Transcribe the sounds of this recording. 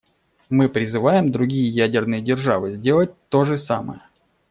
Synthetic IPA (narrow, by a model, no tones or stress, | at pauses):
mɨpɾʲɪzɨvajɪmd̪ɾʊɡʲijəjædʲɪrnɨjədʲɪrʐavɨzʲdʲe̞lˠət̚ʲt̪oʐɨsamə̰jə